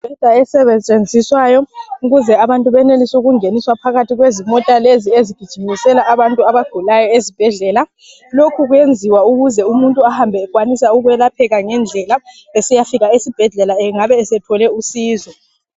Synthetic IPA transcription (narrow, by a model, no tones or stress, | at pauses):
bʱɛd̥ʱaɛsɛβet͡ʃʼend͡zʱiswajɔuɣuzɛaβantʼuβɛnelisuɣuŋeniswapʰaɣatʰiɣwezimɔtʼalezieziɡ̥ʱid̥ʒ̥ʱimisɛlaʔːβantʼuaβaɡ̥ʱulajɔezib̥ʱɛɮɛla | lokʰuɣujend͡zʱiwauɣuzɛumuntʼuahambʱɛːɣwanisauɣuwɛlapʰɛɣaŋɛnd͡ɮʱɛla | esijafiɣaesib̥ʱɛɮɛlaɛŋaβɛːsɛtʰɔlɛusiːzɔ